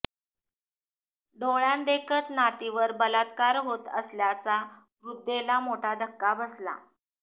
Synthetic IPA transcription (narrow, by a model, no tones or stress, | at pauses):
ɖ̪oɭãnd̪ekʰət̪nat̪iʋəɾbəlat̪kaɾɦot̪ə̰sljat͡sa | ʋɾud̪ːelamoʈʰad̪ʱəkːabəsla̰